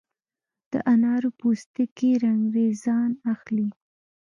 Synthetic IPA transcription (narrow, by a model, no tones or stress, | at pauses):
d̪̥ə̰ʔanɑɾopost̪əkeɾaŋɡɾezɑnaxli